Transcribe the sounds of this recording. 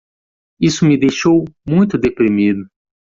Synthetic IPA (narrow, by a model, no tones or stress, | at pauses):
isʊmɪd̪ejʃowmũj̃t̪ʊd̪epɾimid̪ʊ